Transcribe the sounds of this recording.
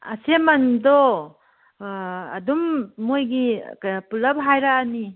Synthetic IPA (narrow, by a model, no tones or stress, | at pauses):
asemandɔ | a̰dumːojɡikapulap̚ɦajɾaːni